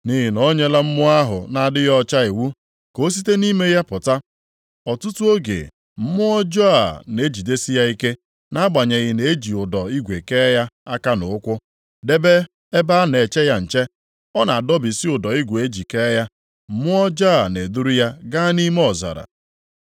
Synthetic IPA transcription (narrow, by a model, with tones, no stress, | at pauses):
ni˦ɦɪ˨nɔ˦ɲe˦la˦m̩˦mʊ˦a˦ɦʊ̰˨na˨dɪ˦jɔ˦t͡ʃa˦i˨wu˦ | ko˨˦s̬i˦te˦ni˦me˦ja˦pʊ˨ta˦ | ɔ˨tʊ˦tu˦o˦ɡḛ˨ | m̩˦mʊ˦ɔ˦d͡ʒɔ˦a̰˨ne˦e˦d͡ʒi˨de˦si˦ja˦i˦ke˦ | na˦ɡ͡ba˨ɲe˨ɣɪ˨ne˨˦e˦d͡ʒi˨ʊ˨dɔ˨i˦ɡʷe˨ke˦ja˦a˦ka˦no˨ʊ˦kʷʊ˦ | de˦be˦ | e˦ba˦a˦ne˨t͡ʃe˦ja˦n̩˨t͡ʃe˦ | ɔ˦na˨a˨dɔ˦bɪ˨si˦ʊ˨dɔ˨i˦ɡʷe˨e˦d͡ʒi˨ke˦ja˦ | m̩˦mʊ˦ɔ˦d͡ʒɔ˦a˨ne˨du˦ɾu˦ja˦ɡa˦ni˦m˦ɔ˨za̰˨ɾa̰˨